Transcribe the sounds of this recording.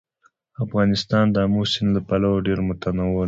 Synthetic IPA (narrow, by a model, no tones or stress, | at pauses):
afɣɑnɪst̪ɑnd̪əamosɪnlapalawoɖeɾmʊt̪anawɪl